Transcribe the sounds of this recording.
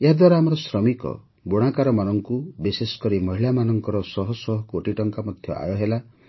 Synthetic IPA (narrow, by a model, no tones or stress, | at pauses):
eɦad̪waɾaamɔɾɔsɾɔmikɔ̰ | boɽ̃akaɾɔmanɔŋkubisesɔ̥kɔɾimɔɦiɭamanɔŋkɔɾɔsɔɦɔsɔɦɔkooʈiʈɔŋkamɔd̪ʱjɔ̰ʔa̰jɔɦela